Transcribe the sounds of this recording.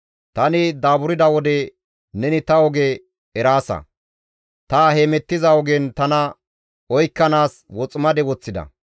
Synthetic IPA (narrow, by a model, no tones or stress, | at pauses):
t̪ɐnɪd̪aːbʊɾɪd̪ɐwɔd̪ɛ | nɛnɪt̪ɐɔɡe | ɛɾaːsɐ̰ | t̪ɐheːmɛt̪ːɪzɐɔɡɛnt̪ɐnɐ | ɔjkːɐnaːswɔt͡sʼmɐd̪ɛwɔt͡sːɪd̪ɐ̰